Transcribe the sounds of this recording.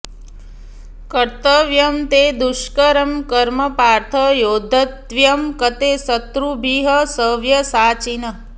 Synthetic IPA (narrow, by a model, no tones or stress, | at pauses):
kɐɾt̪əʋjɐmt̪eːd̪uʃkɐɾɐmkɐɾmɐpaːɾt̪ʰɐjoːd̪ʱɐt̪ʋjɐmkɐt̪esɐt̪ɾubʱiɦɐsəʋjɐsaːt͡ʃinɐ